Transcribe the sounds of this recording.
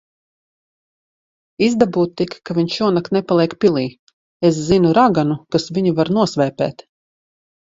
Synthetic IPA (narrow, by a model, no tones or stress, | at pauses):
izd̪abuːt̪ːikkːavʲiɲuɔnak̪nɛpalˠiɛkpilˠiː | eszinuɾaɡanukasvʲiɲuvaɾnuɔsvɛːpɛ̰ːt̪